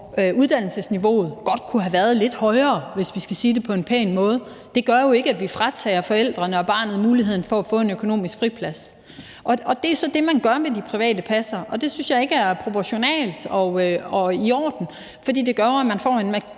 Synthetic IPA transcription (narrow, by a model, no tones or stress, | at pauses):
uð̞ˠd̥æn̰l̩səsniʋo̝̰ːð̞̩ˠɡ̥ɒ̽d̥̚kʰuɦæʋæɐð̞ˠle̝d̥hɒ̽ɪɐːʋe̝sʋisɡ̥æsiːd̥e̝pʰɒ̽e̝npʰɛːnmɔ̽ːð̞̩ˠ | d̥e̝ɡ̥ɶɐjo̝e̝ɡ̥əæʋifʁɑ̈t͡sʰɛːɐfɒ̽el̰d̥ʁɐnəɒ̽b̥ɑ̈ːnð̞̩ˠmuːliɦe̝ð̰ˠn̩fɒ̽æfɔ̰̽ːe̝nøkʰo̝no̝̰ːmisɡ̥fʁipʰlæs | ʔɒ̽ʔɒ̽d̥e̝æɐsɒ̽d̥e̝mænɡ̥ɶɐmed̥ipʰʁiʋɛ̰ːd̥əpʰæsɐɒ̽d̥e̝synsjɑ̈ɪe̝ɡ̥əæɐpʰʁo̝pʰɒɕo̝nɛ̰ːld̥ɒ̽ɒ̽iɒ̰ːd̥n̩ | fɒ̽d̥ḭːd̥e̝ɡ̥ɶɐæmænfɒ̰ːe̝nmæ